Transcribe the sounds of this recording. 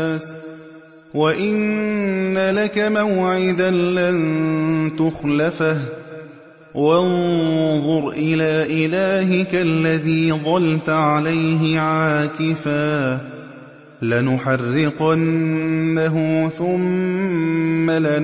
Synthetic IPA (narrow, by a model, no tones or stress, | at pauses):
s | waʔɪnː | alakamawʕɪd̪anlant̪ʊxlafah | wɑnðˤʊɾʔɪlaːʔɪlaːɦɪkaʔlːaðiːðˤɑlt̪ʕalajɦɪʕaːkɪfaː | lɪnʊħɑrːɪqanː | aɦʊθʊm | alɪ